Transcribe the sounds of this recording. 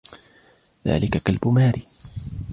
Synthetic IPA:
ða̰ːlɪkakalbʊmaːɾi

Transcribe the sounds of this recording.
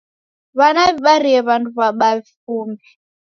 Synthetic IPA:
βanaβiβaɾiɛβantʰuβaɓaβifuːmbi

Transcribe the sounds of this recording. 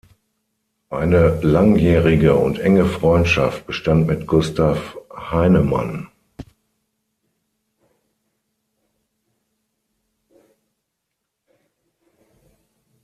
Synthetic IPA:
ʔaɪnəlaŋjɛːʁɪɡəʊ̰ntʔɛŋəfʁ̥ɔʏntʃaft̚b̥əʃtantmɪtɡ̥ʊstʰafhaɪnəma̰n

